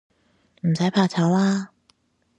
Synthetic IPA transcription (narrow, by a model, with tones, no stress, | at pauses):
m̩˨˩sɐ˨˥jpʰaː˨˧t͡sʰɐ˨˥wlaː˥